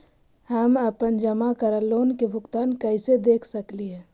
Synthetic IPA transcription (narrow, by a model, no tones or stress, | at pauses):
hɐmɐpənd͡ʒɐmakəɾəloːnkebʱʊɡt̪aːnkəɪsed̪eːkʰsɐkliɦɛ̃ː